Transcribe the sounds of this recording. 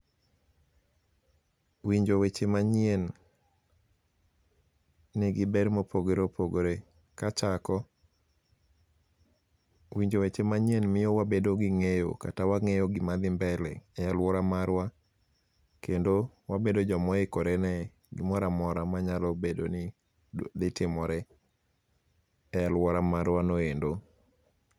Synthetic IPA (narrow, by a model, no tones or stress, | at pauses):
wiɲd͡ʒowet͡ʃemaɲen | nɛɡɪbɛɾmopʰoɡoɾopoɡoɾe | kat͡ʃakɔ | wiɲd͡ʒowet͡ʃemaɲjenmɪjowabedoɡɪŋejo̰katawaŋejoɡɪmad̪ɪmbɛlɛ̰ɛjalwɔɾamaɾwa | kendowabedod͡ʒɔmɔekoɾenɛ | ɡɪmɔɾamɔɾamaɲalɔbedo̰nɪ | d̪ɪtɪmɔɾɛ | ɛjalwɔɾamaɾwanoendo